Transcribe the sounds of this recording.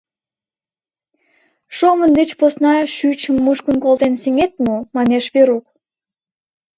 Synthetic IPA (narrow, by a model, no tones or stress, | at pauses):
ʃomənd̪et͡ɕposnɑʃyt͡ɕəmːuʃkə̆nkolt̪enseŋet̪momɑneʃβeɾuk̚